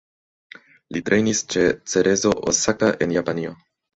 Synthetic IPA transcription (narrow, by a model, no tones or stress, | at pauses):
litɾʔe̞jnist͡ʃe̞t͡se̞ɾe̞zo̞ʔo̰sakaʔe̞njapanio